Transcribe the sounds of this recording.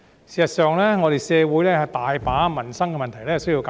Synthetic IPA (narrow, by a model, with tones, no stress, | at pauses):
si˨sɐ˨t̚sœː˨ŋlɛː˥ŋɔː˨˧ɾe˨˧jsɛː˧wuː˨˥jlɛː˥hɐ˨jt̪aː˨jpaː˨˥mɐ˨˩nsɐ˥ŋkɛ˧mɐ˨nt̪ʰɐ˨˩jlɛː˥˨˩sji˧wka˨